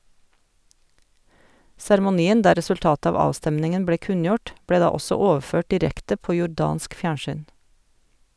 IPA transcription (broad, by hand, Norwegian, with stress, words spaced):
sæɾmʊˈniːən ˈdæː ɾɛsʉlˈtɑːt ˈɑːʋ ˈɑːstɛmnɪŋən ˈbleː ˈkʉnjʊʈ ˈbleː ˈdɑː ˈɔsɔ ˈoːʋˌføːʈ dɪˈɾɛktə ˈpoː jʊˈɖɑːnsk ˈfjæːɳʃyːn